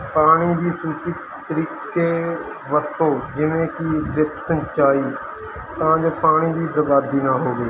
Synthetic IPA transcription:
paːɽ̃iːd̪iːsuːt͡ʃɪt̪ːəɾiːkeː | ʋəɾt̪õːd͡ʒɪnẽːkiːdɪpsəɲt͡ʃaːiː | t̪ãːd͡ʒoːpaːɽ̃iːd̪iːpɾəbaːd̪iːnaːɦoːɡeː

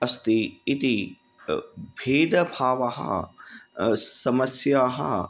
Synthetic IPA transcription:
ɐst̪iːt̪i | bʱeːd̪ɐbʱaːʋɐɦɐ̰ | sɐmɐsjaːɦɐ̰

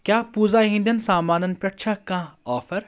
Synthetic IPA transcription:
kʲjaːpuːzaːɦĩnd̪ɐnsaːmaːnɐnpʲɐʈt͡ʃʰakãːɔːfɐɾ

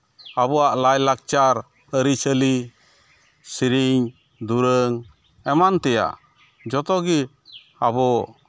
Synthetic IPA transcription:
abɔwaʔlajlak̚t͡ʃaɾ | əɾit͡ʃʰəli | siɾiɲ | d̪uɾəŋ | ɛmant̪ɛja̰ʔ | d͡ʒɔt̪ɔɡi | abɔ

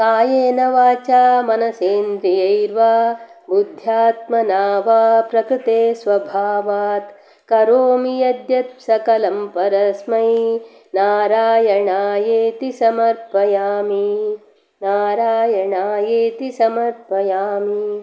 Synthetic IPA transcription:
kaːjeːnɐʋaːt͡ʃaːmɐnɐseːnd̪ɾijɐjɾʋaːbud̪ʱjaːt̪̚mɐnaːʋaːpɾɐkɾit̪eːsʋɐbʱaːʋaːt̪ | kɐɾoːmijɐd̪jɐt̪̚sɐkɐlɐmpɐɾɐsmɐj | naːɾaːjɐɳaːjeːt̪isɐmɐɾpɐjaːmi | naːɾaːjɐɳaːjeːt̪isɐmɐɾpɐjaːmi

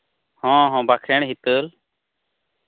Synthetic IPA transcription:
hɔ̃ɦɔ̃bakʰɾɛɳ̃ɦit̪əl

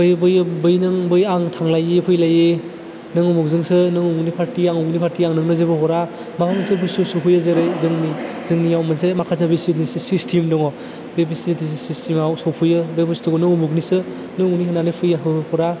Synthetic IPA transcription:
bɯjbɯjbɯjnɯŋbɯjaŋtʰaŋlajepʰɯjlaje | nɯŋumuk̚zɯŋsɯnɯŋumunipʰaɾtiaŋknipʰaɾtiaŋnɯŋnɯzebɯhɔɾa | makʰanɯsɯbɯsusopʰɯjɯzeɾɯjzɯŋni | zɯŋnijawmɯnsemakʰas̬abisitissistʰimdɔŋɔ | bebisitʰissistimawsɔwpʰɯjɯbepʰɯstʰɔɡɔnɯŋumuknisɯ | nɯŋuniɦɯnanɯpʰɯjaɦɯhɔɾa

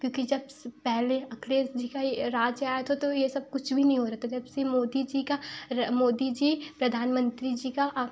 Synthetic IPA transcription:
kjõːkid͡ʒɐbspɛɦleɐkɾeːsd͡ʒiːkaeɾaːd͡ʒjaːjet̪ʰot̪ojesɐb̚kʊt͡ʃʰbʱinɐɦĩɦoɾɐt̪ʰad͡ʒɐbsemoːd̪id͡ʒiːkaɾmoːd̪id͡ʒiːpɾɐd̪ʱaːnmə̃nt̪ɾid͡ʒiːkaʔ

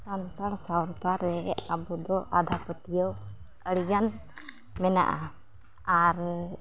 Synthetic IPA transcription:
kant̪aɾsawɾt̪aɾɛabud̪ɔʔad̪ʱapət̪ijəw | əɽiɡan | mɛna̰ʔa | aɾ

